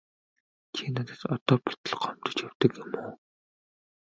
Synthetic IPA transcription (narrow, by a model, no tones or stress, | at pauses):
t͡ɕʰiːnat̪ə̥̆tɔt̪ɔːpi̥t̪ɘ̆ɮɢɔm̥t̪ɞ̥̆t͡ɕjawt̪ə̆kjemuː